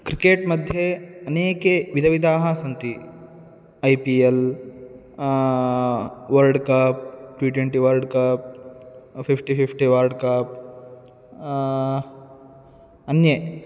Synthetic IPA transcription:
kɾikeːʈmɐd̪ʱjeɐneːkeʋid̪ʱɐʋid̪ʱaːɦɐsɐnt̪i | ɐjpiːel | ʋɐɾlɖkɐp̚ʈʋiːʈweɳʈiʋɐɾɖkɐp̚ | fifʈififʈiʋɐɾɖkɐp̚ | ɐnje

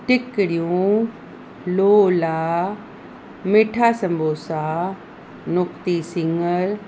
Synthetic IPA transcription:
ʈɪkɪɽijũ | loːlaː | meːʈʰaːsɐ̃mbʱoːsaː | nʊkt̪isɪŋəɾ

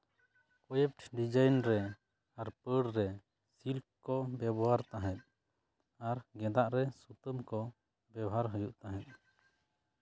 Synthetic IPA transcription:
kɔjɛp̚ʈʰɖid͡ʒajnɾɛ | aɾpəɽɾɛ | silk̚kɔbɛbɔaɾt̪aɦɛ̃t̪̚ | aɾɡɛ̃d̪aʔɾɛsut̪əmkɔ | bɛbɦaɾɦəjuʔt̪aɦɛ̃t̪̚ˀ

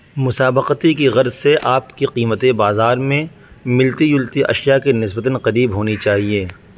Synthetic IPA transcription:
mʊsaːbəqət̪ikiɣɐɾzseʔaːpkiqiːmət̪ebaːzaːɾmẽ | mɪlt̪ijʊlt̪iʔɐ̰ʃjakinɪsbət̪ənqɐɾiːbɦoːnit͡ʃaːɦieː

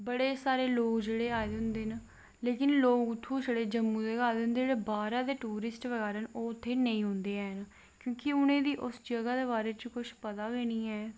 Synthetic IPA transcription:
bəɽeːsaːɾeːloːkd͡ʒeːɽeːaːed̪eɦʊ̃nd̪eːn | leːkɪnloːkʊt̪ʰːũːd͡ʒeɽeːd͡ʒəmːũːd̪eaːd̪eʊ̃nd̪eːeːbaːɾãːd̪eːʈuːɾɪsʈʋəɡɛːɾənoːʊt̪ʰːeːnəĩːɦʊ̃nd̪eːɛːn | kjõːkɪʊnẽːd̪iːʔʊsd͡ʒəɡaːd̪eːbaːɾeːt͡ʃəkʊʃʰpət̪aːɦeːniːɛː

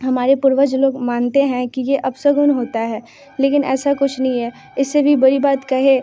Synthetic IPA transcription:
ɦɐmaːɾepʊɾʋəd͡ʒloːɡmaːnt̪eɦɛ̃kijeʔɐbsəɡʊnɦoːt̪aɦɛː | leːkɪnʔɛ̰ːsakʊt͡ʃʰnɐɦĩɦɛ | ɪsːebʱibɐɾibaːt̪kɐɦe

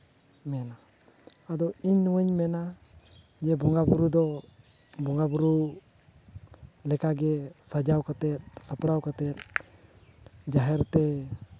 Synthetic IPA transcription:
mɛnaː | d̪ɔiɲnuwəɲmɛna | d͡ʒɛbɔŋɡabuɾud̪ɔ | bɔŋɡabuɾu | lɛkaɡɛsad͡ʒawkat̪ɛt̪̚apɽawkat̪ɛt̪̚ | d͡ʒaɦɛɾt̪ɛ

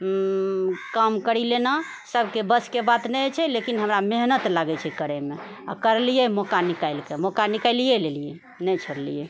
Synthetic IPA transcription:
kəmkəɾilena | səbʱkebəskebat̪nɛt͡ʃʰɛlekinɦəmɾameɦnət̪laɡɛt͡ʃʰɛkəɾɛme | a̰kəɾlijɛmɔkanikajlkemɔkanikaɪlijelelije | nɛt͡ʃʰoɾlije

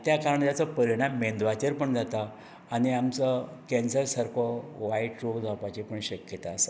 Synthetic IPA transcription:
t̪jakaɾəɳt̪jat͡səpəɾiɽ̃ãmːẽnd̪ʋat͡ɕəɾpəɳd͡zat̪aː | ɽ̃iamt͡səkɛnsəɾsəɾkʰɔʋaiʈɾoɡd͡zʱapat͡ɕipəɳɕəkjət̪aːsa

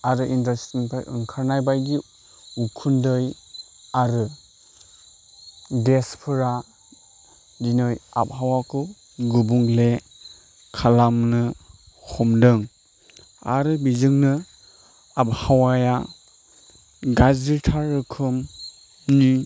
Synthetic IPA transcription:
aɾɯʔindastinpʰajʔɯ̰ŋkʰaɾnajbajɡi | ukʰundɯj | aɾɯ | ɡespʰɯɾa | dinɯja̰p̚hawakʰu | ɡubuŋle | kʰalamnɯ | hʰɔmdɯŋ | a̰ɾɯbizɯŋnɯ | ap̚hawaja | ɡaziɾtʰaɾːɯkʰɯm | ni

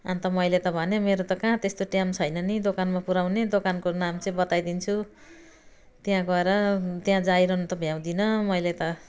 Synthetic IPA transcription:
a̰nt̪ʌmʌjlet̪ʌbʱʌnemeɾot̪ʌkãt̪est̪oʈjamt͡sʰʌjnʌnid̪okanmapuɾawned̪okankonamt͡sʌ̃ĩbʌt̪ajd̪int͡sʰu | t̪jãɡʌeɾʌt̪jãd͡zaiɾʌnut̪ʌbʱjaw̃d̪inʌmʌjlat̪ʌ

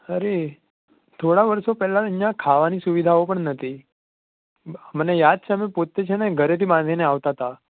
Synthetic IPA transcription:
əɾe | t̪ʰoɽaʋəɾsopɛɦlaənjãkʰaʋanisuʋid̪ʱaopəɳnət̪ʰi | mənejad̪̚t͡ʃʰeəmepot̪ːet͡ʃʰeneɡʱəɾet̪ibãnd̪ʱineaʋt̪at̪a

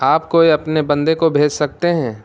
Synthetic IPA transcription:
aːp̚koːiɐpnebɐ̃nd̪ekobʱeːd͡ʒsɐk̚t̪eɦɛ̃ː

